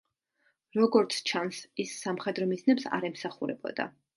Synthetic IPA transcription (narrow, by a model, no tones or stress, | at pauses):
ɾɔɡɔɾt̪sʰt͡ʃʰansisːamχɛd̪ɾɔmiznɛpsa̰ɾɛmsaχuɾɛ̰bɔ̰d̪a̰